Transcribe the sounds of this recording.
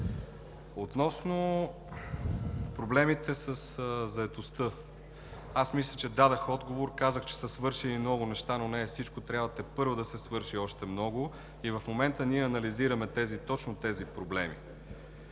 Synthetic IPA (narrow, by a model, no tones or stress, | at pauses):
ot̪nɔsno | pɾoblɛmit̪ɛsəszɐɛt̪ost̪ɤ | asmislʲət͡ʃɛd̪ad̪əxɔd̪ɡovoɾkazəxt͡ʃɛ̥səsvɤɾʃɛninɔɡʊnɛʃt̪anonɛːfsit͡ʃkot̪ɾʲjabvət̪ɛpɤɾvod̪ɐsɛsvɤɾʃiɔʃt̪ɛmnɔɡʊ | ivɐfmomɛnt̪əniɛɐnɐliziɾəmɛt̪ɛzit̪ɔt͡ʃnot̪ɛzipɾoblɛmḭ